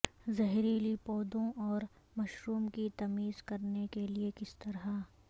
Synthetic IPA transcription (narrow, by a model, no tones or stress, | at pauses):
zɐɦɾiːlipɔːd̪õʔɔːɾ | mɐʃɾuːmkit̪ɐmiːzkɐɾnekeliekɪst̪ɐɾɦa